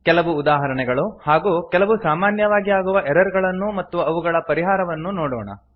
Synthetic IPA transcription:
kɛlɐʋuːd̪aːɦɐɾɐɳɛɡɐɭuhaːɡuːkɛlɐʋusaːmaːnjɐʋaːɡiaːɡuʋɐʔɛɾɐɾɡɐɭɐnːumɐt̪ːuɐʋuɡɐɭɐpɐɾiɦaːɾɐʋɐnːunoːɽɔːɳɐ̰

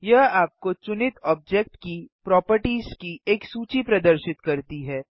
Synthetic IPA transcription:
jɐɦaːp̚kot͡ʃʊnɪt̪ɔːb̚d͡ʒɛk̚ʈkipɾɔːpəɾʈiːzkiʔeːksuːt͡ʃipɾɐd̪əɾʃɪt̪kɐɾt̪iɦɛː

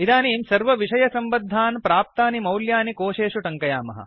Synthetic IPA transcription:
id̪aːniːnsɐɾʋɐʋiʂɐjɐsɐmbɐd̪ʱːaːnpɾaːp̚t̪aːnimɐwljaːnikoːʂeːʂuʈɐŋkɐjaːmɐ̰ɦɐ̰

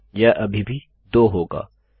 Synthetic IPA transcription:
jaʔɐbʱibʱi | d̪oːɦoːɡa̰ː

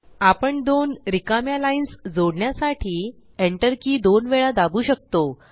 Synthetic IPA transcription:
apəɳd̪onɾikamjalainsd͡zoɽɳjasaʈʰiː | eɳʈəɾkiːd̪onʋeɭad̪abuːɕək̚t̪o

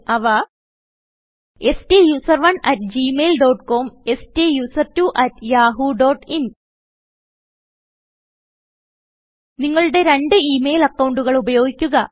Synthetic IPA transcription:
ɐʋa | e̞stejuːsɐrʋɐnɐtd͡ʑiːmejlɖoːʈko̞ːmestejuːsɐrtuʔɐtjaːɦuɖo̞ːʈin | niŋːɐɭɨɽe̞ɾe̞ɳɖɨiːmejlɐkːɐwɳɖuɣɐɭubɐjo̞ːɡikʲːuɣɐ

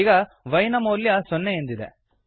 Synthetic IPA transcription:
ɡɐ | ʋɐjnɐmoːljɐsɔnːeend̪id̪ḛ

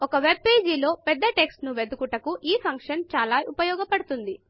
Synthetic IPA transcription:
ɔkɐʋe̞b̚pe̞ːd͡ʒilo̞ːpɛd̪ːɐʈe̞ksʈnuʋed̪ukuʈɐkuʔiːpʰɐŋkʂɐnt͡ʃaːlaːʔupɐjɔːɡɐpɐɽut̪und̪i

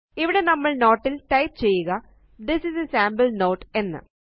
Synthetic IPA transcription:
iʋiɽe̞nɐmːɐɭno̞ːʈːilʈɐjp̚t͡ɕe̞jːuɣɐ | d̪ɪsizesaːmbɐlno̞ːʈe̞nːɨ̰

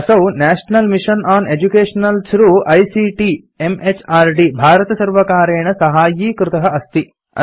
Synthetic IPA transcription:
ɐsɐwnæːʂnɐlmiʂɐnaːned͡ʒukeːʂɐnɐlsɾuʔɐjsiːʈi | emet͡ʃʰaːɾɖibʱaːɾɐt̪ɐsɐɾʋɐkaːɾeːɳɐsɐɦaːjiːkɾɪt̪ɐɦɐɐst̪i | ɐ̰

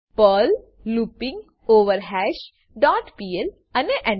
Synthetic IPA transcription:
pəl | luːpĩŋɡ | oːʋəɾɦæʃ | ɖaːʈpiːel | ɐneʔɐ̃

